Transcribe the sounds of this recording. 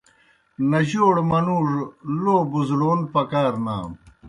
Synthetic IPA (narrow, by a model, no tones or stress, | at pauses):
nɐʑoːɽmɐnuːʐloːbuzloːnpɐkaːɾna̰ːm